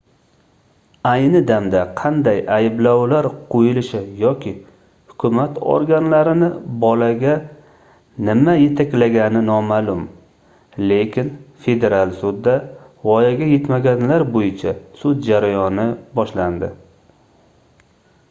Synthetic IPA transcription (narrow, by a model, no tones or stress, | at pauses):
ajnɪd̪amd̪aqʰɑnd̪ajajɪblawlaɾqʰojɪlɪʃɪjɒkʲʰɪ | hʊkʰʲʊmat̪ʰo̰ɾɡʲanlaɾɪnɪbɒlaɡʲa | nɪmaje̞t̪ʰakʲlaɡʲanɪnɒmalʊm | le̞kʲʰɪnfe̞d̪e̞ɾalˠsʊd̪ːavɒjaɡʲaje̞t̪maɡʲanlaɾbojɪt͡ʃʰasʊd̪̚d͡ʒaɾajɒnɪbɒʃland̪ɪ̰